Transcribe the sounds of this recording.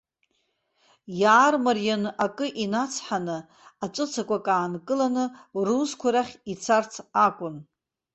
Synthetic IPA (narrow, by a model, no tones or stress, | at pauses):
jaːrmarjanakʼɨʔinat͡sʰħanɨ | aʈ͡ʂʷʼɨt͡sʰakʷʰʼakʼaːnkʼɨlanɨruzkʷʰaɾaχʲit͡sʰart͡sʰakʷʼʊn